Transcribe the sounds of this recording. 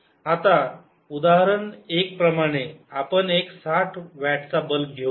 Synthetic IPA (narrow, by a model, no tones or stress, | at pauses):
at̪a | ud̪aɦəɾəɳek̚pɾəmaɽ̃eapəɳeksaʈʰʋaʈʰt͡sabəlɡʱe